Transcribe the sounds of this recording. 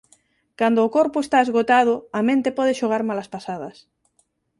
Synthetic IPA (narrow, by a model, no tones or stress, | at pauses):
kand̪oːkoɾpoest̪aezɣot̪að̞oamẽnt̪epɔð̞eʃoɣ̞aɾmalaspasað̞as